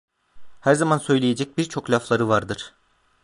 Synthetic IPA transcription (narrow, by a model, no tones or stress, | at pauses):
hæɾzamansø̞jlʲejed͡ʒɛc̚biɾt͡ʃʰo̞klʲaflˠaɾɯvaɾd̪ɯɾ̥